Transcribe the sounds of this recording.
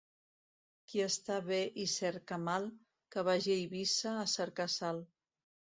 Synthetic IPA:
kiəst̪aβeʔisɛɾkəmalˠ | kəβaʒejβisəːsəɾkasalˠ

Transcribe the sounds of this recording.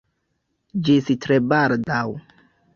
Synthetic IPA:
d͡ʒisitɾebaldaw

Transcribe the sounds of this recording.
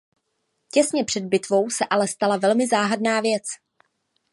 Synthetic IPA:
cɛsɲɛpr̝̥ɛd̪̚bɪt̪vo̞wsɛʔalɛst̪alavɛlmɪzaːɦadnaːvjɛt͡s

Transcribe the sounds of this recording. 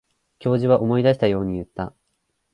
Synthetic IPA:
kʲo̞ːʑiβaʔo̞mo̞id̪aɕi̥t̪ajo̞ːɲ̟ijɯ̟t̪ːa

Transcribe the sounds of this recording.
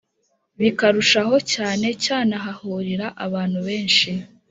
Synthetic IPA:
βikaɾuʃaɦo̞caːne̞caːnaɦahuːɾiɾaʔaβaːn̥huβe̞ːnʃi

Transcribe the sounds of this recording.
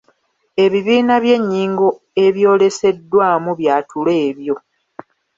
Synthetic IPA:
e̞βiβiːnaβje̞ɲːiːŋɡo̞ | e̞βjo̞ːle̞se̞dːwaːmuβjaːtʰule̞ːβjo̞

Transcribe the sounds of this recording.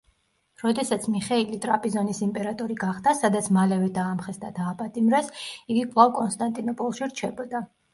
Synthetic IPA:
ɾɔd̪ɛsat̪sʰmiχɛilit̪ʼɾapʼizɔnisimpʼɛɾat̪ʼɔɾiɡaχd̪asad̪at̪sʰmalɛvɛd̪aːmχɛsd̪ad̪aːpʼat̪ʼimɾɛsiɡikʼvlˠavkʼɔnst̪ʼant̪ʼinɔpʼɔlˠʃiɾt͡ʃʰɛbɔd̪a

